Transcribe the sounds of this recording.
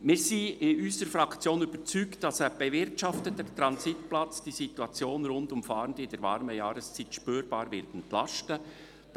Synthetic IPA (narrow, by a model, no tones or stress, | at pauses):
mɪːɾsiːɪʔyːsəɾfɾɑkt͡sjoːnyb̥əɾt͡syːkt̚d̥ɑsɛːb̥ɛvɪɾtʃɑftətɛtɾɑnsitplɑt͡sd̥isituɑt͡sjoːnɾʊndʊmfɑːɾəndɪnd̥ɛɾvɑ̰ɾməjɑːɾəst͡siːtʃpyːɾbɑːɾvɪɾtɛntlɑʃtə | d